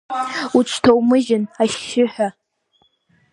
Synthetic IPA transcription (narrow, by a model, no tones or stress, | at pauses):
uʈ͡ʂʷʰtʰowmɨʒɪnaʃːɪħʷᶣa